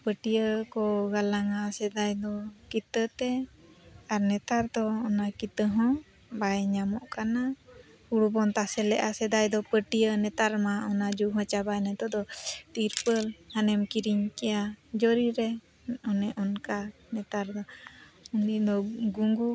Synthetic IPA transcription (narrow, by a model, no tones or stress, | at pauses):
pəʈijəkɔɡalaŋasɛd̪ajd̪ɔkit̪ət̪ɛ | aɾnɛt̪aɾd̪ɔɔnakit̪əɦɔ̃ | bajɲamɔʔkana | uɽubɔnt̪asɛlɛʔasɛd̪ajd̪ɔpəʈijənɛt̪aɾmaɔnad͡ʒuɦɔ̃t͡ʃabajnɛt̪ɔd̪ɔt̪iɾpəlhanɛmkiɾiɲkɛjad͡ʒɔɾiɾɛ | ɔnɛʔɔnkanɛt̪aɾd̪ɔuniʔd̪ɔɡuŋɡu